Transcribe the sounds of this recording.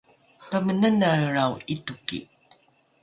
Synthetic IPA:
pamənənaɾawitukḭ

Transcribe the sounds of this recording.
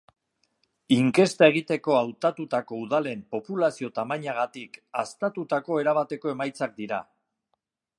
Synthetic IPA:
iŋke̞st̪ae̞ɣ̞it̪e̞ko̞awt̪at̪ut̪ako̞uð̞ale̞mpo̞pulasio̞t̪amaɲaɣ̞at̪ikast̪at̪ut̪ako̞e̞ɾaβat̪e̞ko̞e̞majt͡sak̚d̪iɾa

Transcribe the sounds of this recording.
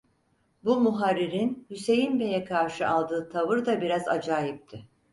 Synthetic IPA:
bumuɦaɾːiɾinhyse̞jinbe̞jɛkʰaɾʃɯʔalˠd̪ɯːt̪ʰavɯɾd̪abiɾaza̰d͡ʒaːjip̚t̪ʰɪ

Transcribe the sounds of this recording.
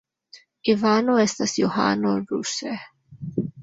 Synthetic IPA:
ivaːnoɛst̪asjoha̰ːnoɾuse

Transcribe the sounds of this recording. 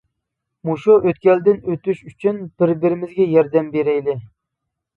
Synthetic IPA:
muʃuʔøt̪kʲɛld̪ɪnøt̪yʃyt͡ʃʰynb̥ɪɾbɪɾɪmɪzɡʲɛjɑɾd̪ɛmbeɾɛjlɪ

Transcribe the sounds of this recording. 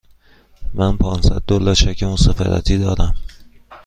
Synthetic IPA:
mænpʰɒːnsæd̪̚d̪olɒːʃæcʰemosɒːfæ̰d̪æ̰t̪ʰiːd̪ɒːd̪æm

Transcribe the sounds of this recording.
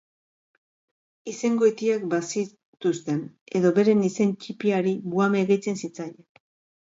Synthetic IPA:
ise̞ŋɡo̞et̪iakbasi | t̪ust̪e̞ne̞ðo̞βe̞ɾe̞nise̞nt͡ʃipiaɾiβuame̞ɣet͡se̞nsit͡saje

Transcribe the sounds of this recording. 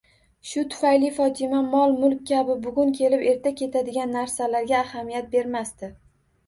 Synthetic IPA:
ʃʊt̪ʰʊ̥fajlɪfɒt̪ʰɪmamɒlˠmʊlˠkʲkʲːabɪbʊɡʲʊŋkʲʰe̞lɪpe̞ɾt̪ʰakʲe̞t̪ʰad̪ɪɡʲanːaɾsalaɾɡʲaːhamijat̪̚be̞ɾmast̪ɪ

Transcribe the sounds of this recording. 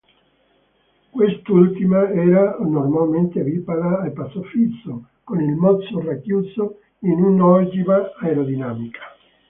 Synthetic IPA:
kwest̪ult̪imaɛːɾanormalment̪evipaɾaːlpasofit̪sːo | konilmɔt̪sːorakːjuːso | inunɔd͡ʒimaaeɾod̪inaːmikʰḁ

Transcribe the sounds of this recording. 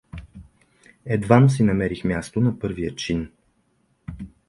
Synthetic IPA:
ɛd̪vans̬inɐmɛɾixmʲjast̪onɐpɤɾvijət͡ʃin

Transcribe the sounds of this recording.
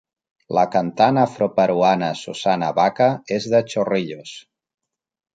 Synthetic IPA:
ləkant̪anəfɾopəɾuanəsusanaβakəezðət͡ʃoriʎos

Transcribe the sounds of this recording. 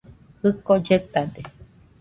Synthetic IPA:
hɨkod͡ʒet̪ad̪e

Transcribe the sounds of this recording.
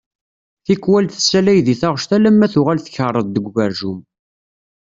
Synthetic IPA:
θikːwælθəsːælæjðiθɑʁʃt̪ælæmːæθʊʁælθə̥çərˤːəðd̪əɡʷvæɾʒʊm

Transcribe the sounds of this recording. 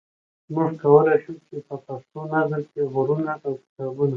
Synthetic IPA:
muʐkawəleʃut͡ʃepəpaʂt̪onazəɾkeɣʊɾunaawki̥t̪ɑbuna

